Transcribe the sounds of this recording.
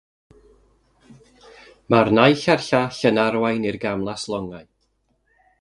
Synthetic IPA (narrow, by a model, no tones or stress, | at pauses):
marnajɬarɬaɬənaɾwajnirɡamlˠaslˠɔŋaj